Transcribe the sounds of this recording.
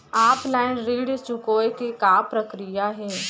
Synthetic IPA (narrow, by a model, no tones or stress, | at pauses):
aːplaːɪnɾiːɽt͡ʃʊkoːjkekaːpɾəkɾijaɦɛː